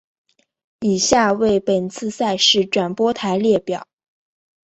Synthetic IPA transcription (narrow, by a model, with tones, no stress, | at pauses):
i˨˩ɕja˥˧we˥˩ɪpə˨˩nt͡sʰɹ̩˥˧sa˥˧ɪʂɻ̩˥˩ʈ͡ʂwa˨˩npwɔ˥t̪ʰa˧˥ɪljɛ˥˩pjɑ˨˩˦ʊ